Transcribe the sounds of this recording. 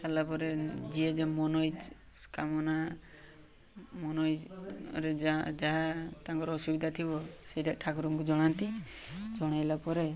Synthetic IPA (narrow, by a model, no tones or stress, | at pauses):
t̪alapɔɾed͡ʒied͡ʒemɔnɔjd͡ʒ | skamɔna | mɔnɔjɾed͡ʒaɦat̪aŋkɔɾɔːsubid̪ʱat̪ʰibɔsejɾaʔʈʰakɔɾuŋkud͡ʒɔɽ̃ant̪i | d͡ʒɔɽ̃ajlapɔɾe